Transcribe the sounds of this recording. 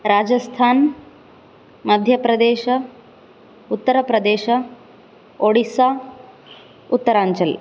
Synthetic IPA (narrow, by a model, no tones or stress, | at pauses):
ɾaːd͡ʒɐst̪ʰaːn | mɐd̪ʱjɐpɾɐd̪eːʃɐ | ut̪ːɐɾɐpɾɐd̪eːʃɐ | oɽisaː | ut̪ːɐɾaːɲt͡ʃɐl